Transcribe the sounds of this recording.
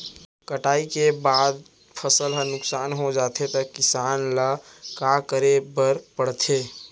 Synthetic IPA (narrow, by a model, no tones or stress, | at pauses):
kəʈaːikebaːd̪ | pʰəsəlɦənʊksaːnɦod͡ʒaːt̪ʰet̪ɔkɪsaːnlakakəɾebəɾpəɽt̪ʰe